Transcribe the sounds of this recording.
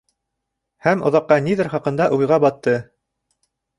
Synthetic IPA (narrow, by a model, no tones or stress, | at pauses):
hæmŏ̰ðɑqːɑniðɘɾχɑqɤ̆nd̪ɑʔujʁɑbɑt̪ːɤ